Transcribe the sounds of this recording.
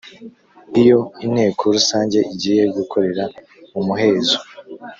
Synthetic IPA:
ijo̞in̥e̞ːkʰoɾusaːɲɟe̞ʔiɟijeɾɟukʰo̞ɾe̞ɾa | umuɦe̞ːzo

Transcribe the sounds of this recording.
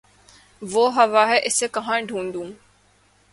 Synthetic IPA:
ʋoːɦɐʋaːɦɛʔɪsekɐɦãːɖʱũːnd̪ũː

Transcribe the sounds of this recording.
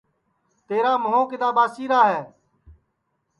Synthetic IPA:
t̪eːɾaːməɦõːkɪd̪aːbaːsiːɾaːɦɛː

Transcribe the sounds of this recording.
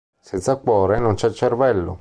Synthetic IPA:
sɛnt̪sakwɔːɾenont͡ʃɛt͡ʃːervɛlːo̰

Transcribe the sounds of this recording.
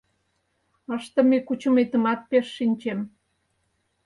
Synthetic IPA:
əʃt̪ə̆mekut͡ɕəmet̪ə̆mɑt̪̚peʃːinʲt͡ɕem

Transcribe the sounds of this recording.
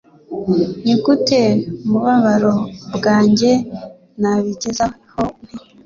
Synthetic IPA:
ɲiɡuteumuβaβaɾobɡaːɲɟe̞ | naβiɟeza | home

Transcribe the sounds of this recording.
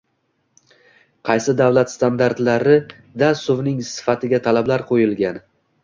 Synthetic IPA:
qʰɑjsɪd̪avlat̪st̪and̪aɾt̪laɾɪ | d̪asʊvnɪŋsɪ̥fat̪ʰɪɡʲat̪ʰalablaɾqʰojɪlɡʲan

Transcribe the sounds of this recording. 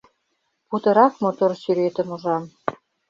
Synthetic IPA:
put̪ɤ̆ɾɑkmot̪orsyɾet̪ə̆muʒɑm

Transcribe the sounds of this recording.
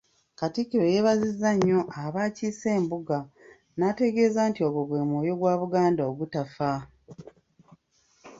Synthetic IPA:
katikːiɾo̞je̞βazizːaɲːo̞ʔaβaːciːse̞ːmbuɡa | nate̞ɡe̞ːzaːntio̞ɡo̞βwe̞ːmwo̞ːjo̞ɡwaːβuɡaːndaoɡutafa

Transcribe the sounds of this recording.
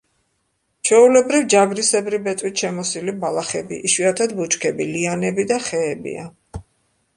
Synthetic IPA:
t͡ʃʰɛulɛbɾivd͡ʒaɡɾisɛbɾibɛt̪ʼwit̪ʃɛmɔsilibalˠaχɛbḭʔːʃwiat̪ʰad̪but͡ʃʼkʰɛbilianɛbid̪aχɛːbḭa̰

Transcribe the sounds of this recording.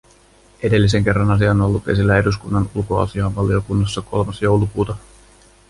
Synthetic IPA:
e̞de̞lːis̬e̞ŋk̟e̞rːɑnɑs̬iɑnolːut̪e̞silːæe̞duskunːɑnulko̞ɑ̰siɑːʋʋɑlio̞kunːɑsːɑkʰo̞lmɑsjo̞wlukuːt̪ɑ

